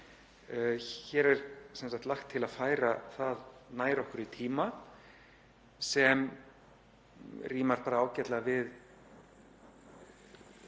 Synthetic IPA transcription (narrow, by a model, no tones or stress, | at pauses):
çɛːɾɛɾsɛnsakt̪laxt̪ʰːɪlaðfaːjɾaθaðnaːjɾɔhkʏɾit̪ʰiːma | sɛm | riːmaɾ̥paːɾaaːwcɛt̪lavɪð